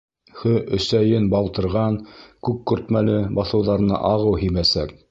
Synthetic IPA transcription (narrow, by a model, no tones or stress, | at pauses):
hɵʔɵ̆sæjɘnbɑlˠt̪ɤ̆ɾʁɑnkʉkːɵ̆ɾt̪mælɘbɑθɤ̆wðɑɾ̆nɤ̰ʔɑʁɤwɦimæsæ̰k̚